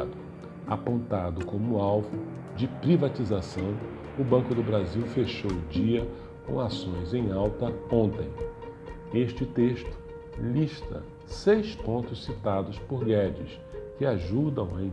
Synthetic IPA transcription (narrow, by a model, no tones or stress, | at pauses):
d̪ʊ | apõnt̪ad̪ʊkõmʊawvʊ | d͡ʒɪpɾivat͡ʃizasɐ̃w̃ | ʊbɐ̃kʊd̪ʊbɾaziwfeʃowʊd͡ʒiɐ | kõw̃asõj̃zẽj̃awt̪ɐõnt̪ẽj̃ | eʃt͡ʃɪt̪eʃt̪ʊ̥ | liʃt̪ɐ̰ | sejspõnt̪ʊssit̪ad̪ʊspoɾɡɛd͡ʒɪ̰s | kɪaʒud̪ɐ̃wĩ